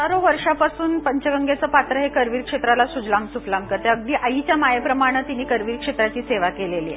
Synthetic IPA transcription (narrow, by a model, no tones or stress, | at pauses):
əɾoʋəɾʂapasuːnpəɲt͡ɕəɡəŋɡet͡səːpat̪ɾəɦekəɾʋiːɾkʂet̪ɾalasud͡zlãŋɡsuplaŋkət̪eəɡ̚d̪iːʔaɦit͡ɕjamajəpɾəmaɽ̃ət̪iniːkəɾʋiːɾkʂet̪ɾat͡ɕiːseʋakelelie